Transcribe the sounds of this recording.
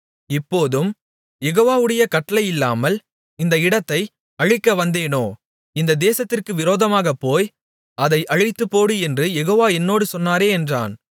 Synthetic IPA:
ɪpːoːðɯm | jɛɣoːʋaːʋɯɽɐjɐkɐʈːɐlɐɪjɪlːa̰ːmɐl | ɪnd̪ɐɪɽɐt̪ːɐɪ | ɐɻɪkːɐʋɐnd̪eːnoː | ɪnd̪ɐd̪eːsɐt̪ːɪrkɯʋɪɾoːðɐmaːɣɐpːoːj | ɐðɐɪʔɐɻɪt̪ːɯpːoːɽɯɛndrɯjɛɣoːʋaːɛnːoːɽɯsɔnːaːɾeːɛndra̰ːn

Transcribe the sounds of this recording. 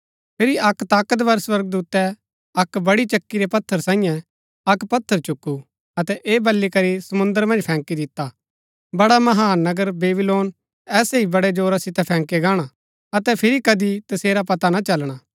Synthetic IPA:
pʰɪɾiɐkt̪aːkət̪̬bɐɾswɐɾɡ̚d̪uːt̪ɛ | ɐkbɐɽit͡ʃɐkːiɾɛpɐt̪ʰːəɾsãːĩjɛ̃ | ɐkpɐt̪ʰːəɾt͡ʃʊkːu | ɐt̪ɛʔeːbɐlːikɐɾisɐmʊ̃nd̪əɾmɐ̃nd͡ʒpʰɛ̃ːŋkid̪ɪt̪ːa | bɐɽamɐɦaːnɐɡəɾbeːbɪloːn | ɛːseibɐɽɛd͡ʒoːɾasɪt̪ɛpʰɛ̃ːŋkeɡaːɽ̃a | ɐt̪ɛpʰɪɾikɐd̪it̪ɐseːɾapɐt̪anat͡ʃɐlɽ̃aː

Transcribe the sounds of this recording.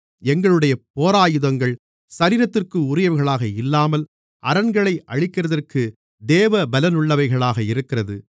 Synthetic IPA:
ɛŋɡɐɭɯɽɐjɐpoːɾaːjɯðɐŋɡɐɭ | sɐɾiːɾɐt̪ːɪrkɯʊɾɪjɐʋɐɣɐɭaːɣɐɪlːaːmɐl | ʔɐɾɐnɡɐɭɐɪʔɐɻɪkːɪrɐðɐrkɯ | d̪eːʋɐbɐlɐnʊɭːɐʋɐɪɣɐɭaːɣɐɪɾɯkːɪrɐðɯ̰

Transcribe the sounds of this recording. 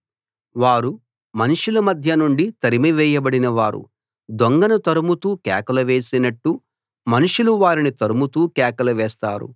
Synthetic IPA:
ʋaːɾu | mɐnuʂulɐmɐd̪ʱjɐnuɳɖit̪ɐɾimiʋɛːjɐbɐɽinɐʋaːɾṵ | d̪oŋɡɐnut̪ɐɾumut̪uːkɛ̰ːkɐlɐʋeːsinɐʈːu | mɐnuʂuluʋaːɾinit̪ɐɾumut̪uːkɛːkɐlɐʋɛːst̪a̰ːɾṵ

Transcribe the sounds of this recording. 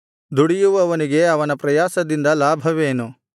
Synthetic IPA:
d̪uɽijuʋɐːʋɐniɡe̞ɐʋɐnɐpɾɐjaːsɐd̪ind̪ɐlaːbʱɐʋeːnu

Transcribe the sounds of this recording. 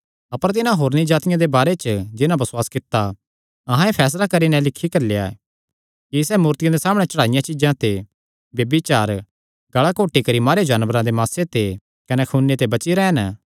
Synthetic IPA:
ɐpəɾt̪̬ɪnãɦoːɾnid͡ʒaːt̪ɪjãd̪ebaːɾet͡ʃəd͡ʒɪnãbɐswaːskɪt̪ːa | ɐɦãepʰɛːs̬lakɐɾinɛ̃lɪkʰːikɐɾleja̰ | kisɛːmuːɾt̪ɪjãd̪esaːmɽ̃et͡ʃɐɽaːɪjãt͡ʃɪd͡ʒãt̪e | bjɐbit͡ʃaːɾ | ɡɐɭakoːʈːikɐɾimaːɾed͡ʒɐːnʋəɾãd̪emaːset̪e | kɐnɛkʰuːnːet̪ebɐt͡ʃiɾɛːn

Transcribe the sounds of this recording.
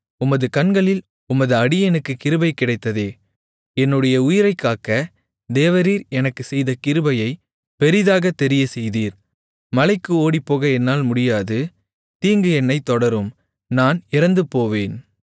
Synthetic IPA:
ʊmɐðɯkɐnɡɐɭɪl | ʊmɐðɯɐɽɪɛnɯkːɯkɪɾɯbɐɪkːɪɽɐɪt̪ːɐðeː | ɛnːɯɽɐjɐʊjɪɾɐɪkːaːkɐ | d̪eːʋɐɾiːɾɛnɐkːɯsɛjðɐkɪɾɯbɐjɐɪ | pɛɾɪðaːɣɐt̪ɛɾɪjɐsɛjðiːɾ | mɐlɐɪkːɯoːɽipːoːɣɐɛnːaːlmʊɽɪjaːðɯ | t̪iːŋɡɯɛnːɐɪt̪ːɔɽɐɾɯm | naːnɪɾɐnd̪ɯpːoːʋeːn

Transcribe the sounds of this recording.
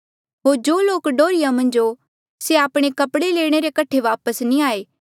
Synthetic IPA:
ɦoːɾd͡ʒoːloːkɖoːɾijamɐ̃nd͡ʒo | seaːpɽ̃ekɐpɽeleːɽ̃eɾekɐʈʰeʋaːpəsnĩaːeː

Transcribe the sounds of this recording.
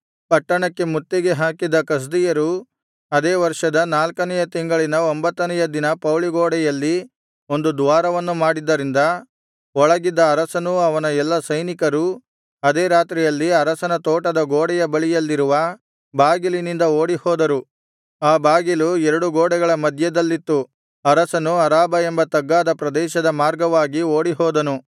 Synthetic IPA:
pɐʈːɐɳɐkːe̞mut̪ːiɡeɦaːkid̪ːɐkɐs̬d̪ijɐɾu | ɐd̪eːʋɐɾʂɐd̪ɐnaːlkɐnɛjɐt̪iŋɡɐɭinɐombɐt̪ːɐnɛjɐd̪inɐpɐwliɡoːɽɛjɐlːi | o̞nd̪ud̪uʋaːɾɐʋɐnːumaːɽid̪ːɐɾind̪ɐ | ɔɭɐɡid̪ːɐːɾɐsɐnuɐʋɐnɐɛlːɐsɐjnikɐɾu | ɐd̪eːɾaːt̪ɾɛjɐlːiɐɾɐsɐnɐt̪oːʈɐd̪ɐɡoːɽɛjɐbɐɭijɐlːiɾuʋɐ | baːɡilinind̪ɐoːɽihɔːd̪ɐɾu | aːbaːɡiluɛɾɐɽuɡoːɽɛɡɐɭɐmɐd̪ʱjɐd̪ɐlːit̪ːu | ɐɾɐsɐnuɐɾaːbɐembɐt̪ɐɡːaːd̪ɐpɾɐd̪ɛːʃɐd̪ɐmaːɾɡɐʋaːɡioːɽiɦɔːd̪ɐnu

